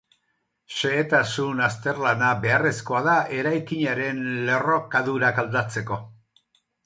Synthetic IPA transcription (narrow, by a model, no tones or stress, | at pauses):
ʃe̞ːt̪asunast̪e̞rlanabe̞are̞sko̞aðaʔe̞ɾajkiɲaɾe̞nle̞ro̞kaðuɾakald̪at͡se̞ko̞